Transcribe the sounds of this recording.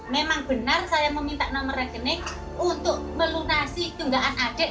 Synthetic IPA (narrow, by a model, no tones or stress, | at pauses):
memaŋb̥ə̤narsajaməmint̪aʔnɔməɾaɡ̥əne | unt̪ʊʔməlunasik̪uŋɡaʔanaɖ̥ɛ̤ʔ